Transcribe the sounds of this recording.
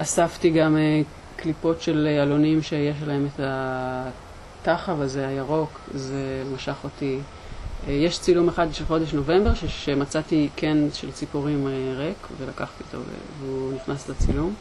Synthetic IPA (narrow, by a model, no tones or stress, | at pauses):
ʔasaftiɡame | klipo̞tʃe̞lalonimʃe̞jeʃ̬lae̞meta | taχavazeajaʁo̞kzemaʃaχo̞ti | jeʃt͡silumeχad̪̚bʃelχo̞deʃno̞ve̞mbeʁʃeʃemat͡sat̪ikʰenʃelt͡sipuʁimeʁekvelakaχt̪iot̪o̰vḛveuniχnaslat͡silum